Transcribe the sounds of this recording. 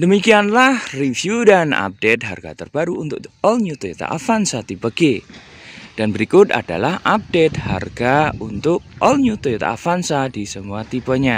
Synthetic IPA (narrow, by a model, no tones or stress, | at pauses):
dəmikianlahrivjudana̰p̚det̪̚ɦa̰rɡa̰t̪ərb̥aɾuːnt̪ʊ̰kɔlɲut̪oet̪a̰ʔa̰fansat̪ibəɡe | d̥anbəɾikʊt̪a̰da̰lahʔap̚d̥et̪̚ha̰rɡ̥aunt̪ʊk̚ɔlɲut̪oet̪a̰a̰fansadisəmuat̪ipəɲa